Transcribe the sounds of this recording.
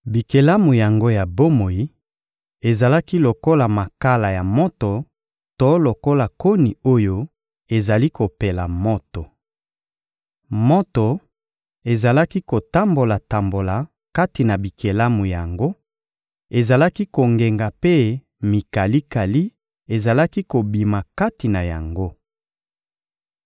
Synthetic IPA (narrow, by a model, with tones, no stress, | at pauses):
bi˨ke˨la˦mu˨ja˨ŋɡo˦ja˨bo˦mo˨i˦ | e˨za˨la˦ki˦lo˨ko˦la˨ma˨ka˦la˨ja˨mo˦to˨ | to˦lo˨ko˦la˨ko˦ni˨o˦jo˦ | e˨za˨li˦ko˨pe˨la˨mo˦to˨ | mo˦to˨ | e˨za˨la˦ki˦ko˨ta˦mbo˨la˨ta˨mbo˨la˨ | ka˦ti˨na˨bi˨kʰe˨la˦mu˨ja˨ŋɡo˦ | e˨za˨la˦ki˦ko˨ŋɡe˨ŋɡa˨pe˦ | mi˨ka˨li˦ka˨li˦ | e˨za˨la˦ki˦ko˨bi˨ma˨ka˦ti˨na˨ja̰˨ŋɡo˦